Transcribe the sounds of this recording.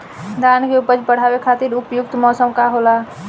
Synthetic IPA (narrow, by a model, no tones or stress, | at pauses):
d̪aːnkeʊpəd͡ʒpəɽ̤aːwekʰaːt̪iɾʊpjʊk̚t̪mɔːsəmkaɦola